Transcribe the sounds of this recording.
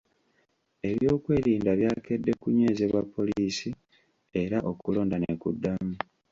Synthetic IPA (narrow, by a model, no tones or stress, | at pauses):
e̞βjo̞ːkwe̞ːɾiːndaβjaːke̞dːe̞kuɲe̞ːzeβwapʰːo̞liiːsi | e̞ɾaʔo̞kulo̞ːndanekṵdːamu